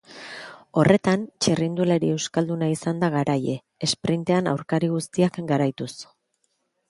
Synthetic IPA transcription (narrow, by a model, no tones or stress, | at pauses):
o̞rʔe̞t̪ant͡ʃerind̪ulaɾie̞wskald̪unaisand̪aɣaɾaje̞ | espɾint̪e̞ana̰wɾkaɾiɣust̪iakɡaɾajt̪us